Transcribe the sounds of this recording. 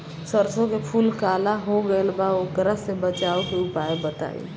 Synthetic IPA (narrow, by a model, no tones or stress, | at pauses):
səɾsõkepʰulkalaɦoɡəelbaokɾəɦsebət͡ʃaokeupaebət̪a̰ḛ